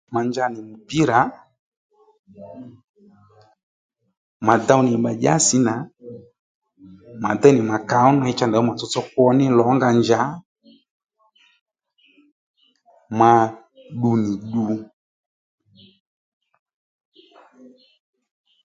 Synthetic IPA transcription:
ma˨ɲd͡ʒa˧nɪ˨mu˨pi˦ɾa˨˦ | ma˨da˧wnɪ˨ɓa˨ʄa̰˦sɪ˨˦na˨˦ | ma˨d̪ɛ˦nɪ˨ma˨ka˨˦ɔ˦na˨˧ɪ˦t͡ʃa˦nda˨ɔ˦ma˨t͡sɔ˦t͡sɔ˦k̚wɔ˦nɪ˦lɔ˨˦ŋɡa˧ɲd͡ʒa˨˦ | ma˧ | ɗu˧nɪ˨ɗu˧

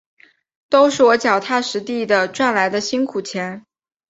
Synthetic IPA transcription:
t̪o˥ʊʂɻ̩˥˩wɔ˧˥t͡ɕjɑ˨˩ʊt̪ʰa˥ʂɻ̩˧˥t̪i˥˩d̪ə˩ʈ͡ʂwa˥˩nla˧˥ɪd̪ə˧ɕi˥nkʰu˨˩t͡ɕʰjɛ˧˥n

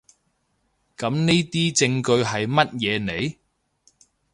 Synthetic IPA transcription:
kɐ˨˥mne˥jt̪iː˥t͡sɪ˧ŋkɵ˧ɥɦɐ˨jmɐ˥t̚jɛː˨˧ne˨˧j

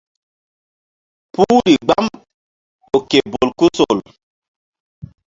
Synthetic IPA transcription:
puː˦ɾi˨ɡ͡ba˦m | o˨ke˨bo˨lku˦so˨l

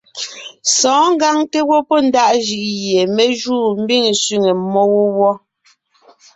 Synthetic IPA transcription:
sɔ̃ː˨˦ŋ˦ɡa˦ŋte˦wɔ˦pɔ˦˨n̩˦da˦ʔʒi˨ʔje˨mɛ˨ʒuː˦˨m̩˦bi˦˨ŋsɥi˦˨ŋe˨mɔ˦wo˦wɔ˦

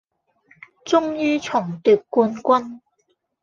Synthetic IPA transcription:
t͡sʊ˥ŋjyː˥t͡sʰʊ˨˩ŋt̪yː˨˩p̚kuː˧nkʷɐ˥n

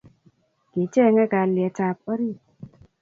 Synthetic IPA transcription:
ɡ̥e˨t͡ʃɛ˦˨ŋɛ˦ka˨ljɛ˨ta˨pɔ˦ɾi˦˨

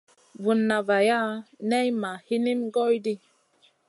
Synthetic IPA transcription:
vu˨nːa˨va˨ja˦nɛ˦jma˨hi˦ni˦mɡɔ˦jdi˦

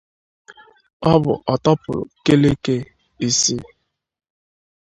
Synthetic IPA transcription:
ɔ˦bʊ˨ʔɔ˨tɔ˦pʊ̰˨ɾ̰ke˦le˦ke˦ | i˨se˦

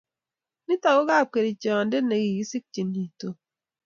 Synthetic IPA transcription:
ni˦ta˨ɣo˦ɣa˦˨ke˨ɾi˨t͡ʃɔ˨nde˦ne˨ɡi˨ɡi˦si˦k̚t͡ʃi˨ni˨to˨

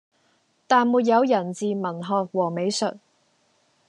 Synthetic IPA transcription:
t̪aː˨nmuː˨˩t̬̚jɐ˨˧wjɐ˨˩nt͡siː˨mɐ˨˩nɦɔː˨˧k̚wɔː˨˩me˨˧jsɵ˨t̚

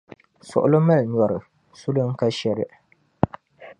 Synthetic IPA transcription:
sʊ˨ʔʊ˨lo˦ma˦lɲ˨ɔ˨ɾɨ˨ | su˦lɨ˦ŋ̩˦ka˦ʃɛ˦ɾɪ˦

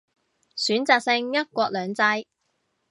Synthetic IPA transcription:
syː˨˥nt͡saː˧k̚sɪ˧ŋjɐ˥t̚kʷɔː˧k̚lœː˨˧ŋt͡sɐ˧˥j

